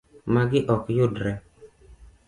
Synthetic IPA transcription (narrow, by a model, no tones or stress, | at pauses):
maɡɪʔɔkjʊdɾɛ